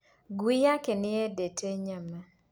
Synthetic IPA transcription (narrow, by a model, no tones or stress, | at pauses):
ɡwijakenɪɛdetʰeɲama